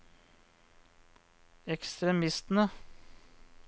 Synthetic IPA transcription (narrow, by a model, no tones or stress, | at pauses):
ɛkst̪ɾɛmɪst̪n̩ə